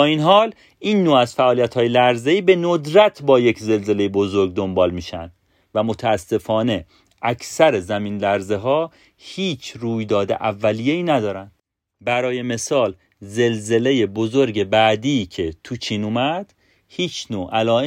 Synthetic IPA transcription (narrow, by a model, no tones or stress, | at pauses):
ɒːinɦɒːl | iːnːoːæzfæʔɒːlijæt̪hɒːjelæɾzeiːbe̞nod̪ɾæt̪ʰbɒːje̞cʰze̞lze̞lejebo̞zoɾɡ̚d̪o̞mbɒːlmiːʃæ̰nd̪̥ | væmot̪ʰææsːe̞fɒːne̞ | ʔæcʰsæɾezæmiːnlæɾze̞ɦɒː | hiːt͡ʃʰɾuːjd̪ɒːd̪ḛʔævːælijeiːnæd̪ɒːɾænd̪ | bæɾɒːje̞me̞sɒːl | ze̞lze̞le̞je̞bozo̞ɾɟe̞bæd̪iːcʰe̞t̪ʰut͡ʃʰiːnuːmæd̪̥ | hiːt͡ʃʰnoːʔælɒːe